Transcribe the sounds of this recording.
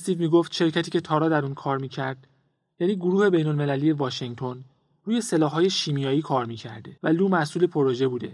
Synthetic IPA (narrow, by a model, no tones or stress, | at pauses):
st̪iːvmiːɡoft̪ʃe̞ɾcʰæt̪ʰiːcʰe̞t̪ʰɒːɾɒːd̪æɾuːnkʰɒːɾmiːcʰæɾd̪̥ | jæːniːɡoɾuːhe̞be̞jno̞lme̞lælije̞vɒːʃeŋt̪ʰo̞n | ruːje̞selɒːɦɒːje̞ʃiːmijɒːjiːkʰɒːɾmiːcʰæ̰ɾd̪evæluːmæsuːle̞pʰo̞ɾo̞ʒe̞buːd̪e̞̰